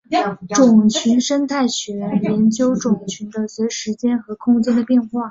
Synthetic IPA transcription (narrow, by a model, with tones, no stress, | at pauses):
ʈ͡ʂʊ˨˩ŋt͡ɕʰy˧˥nʂə˥nt̪ʰa˥˩ɪɕɥɛ˧˥jɛ˧˥nt͡ɕjo˥ʊʈ͡ʂʊ˨˩ŋt͡ɕʰy˧˥nd̪ə˧swe˧˥ɪʂɻ̩˧˥t͡ɕjɛ˥nxɤ˧˥kʰʊ˥ŋt͡ɕjɛ˥nd̪ə˨pjɛ˥˧nxwa˥˩